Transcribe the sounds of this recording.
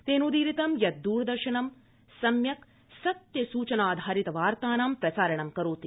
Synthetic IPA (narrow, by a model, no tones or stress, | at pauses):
t̪eːnud̪iːɾit̪ɐmjɐt̪̚d̪uːɾɐd̪ɐɾʃɐɳɐm | sɐmjɐk | sɐt̪jɐsuːt͡ʃɐnaːd̪ʱaːɾit̪ɐʋaːɾt̪aːnaːmpɾɐsaːɾɐɳɐmkɐɾoːt̪i